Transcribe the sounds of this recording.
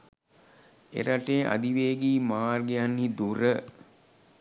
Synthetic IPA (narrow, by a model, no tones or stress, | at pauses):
ḛɾaʈeːʔa̰d̪iʋeːɡiːmaːrɡijanːid̪uɾə